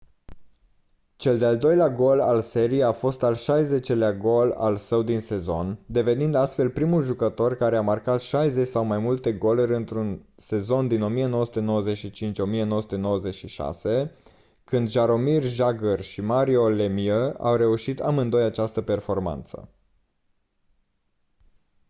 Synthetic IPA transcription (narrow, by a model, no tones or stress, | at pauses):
t͡ʃe̞ld̪eald̪o̞jleaɡo̞lalse̞ɾieafo̞st̪alʃajze̞t͡ʃe̞leaɡo̞la̰lsəwd̪inse̞zo̞nd̪e̞ve̞nind̪ast̪fe̞lpɾimulʒukət̪o̞rkaɾe̞amarkat̪ʃajze̞t͡ʃʲsawmajmult̪e̞ɡo̞luɾʲɨnt̪ɾunse̞zo̞nd̪ino̞mijenowəsu̥t̪eno̞wəze̞t̪ʃit͡ʃint͡ʃʲo̞mie̞nowəsu̥t̪e̞no̞wəze̞t̪ʃiʃa̰se̞ | kɨnd̪ʒaɾo̞mirʒaɡərʃimaɾio̞lemiəa̰wre̞uʃit̪a̰mɨnd̪o̞jat͡ʃast̪əpe̞rfo̞rma̰nt̪sə̰